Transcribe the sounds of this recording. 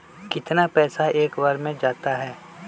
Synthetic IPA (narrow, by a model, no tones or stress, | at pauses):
kɪt̪napɛːsaeːkʋaɾmẽd͡ʒaːt̪aɦɛː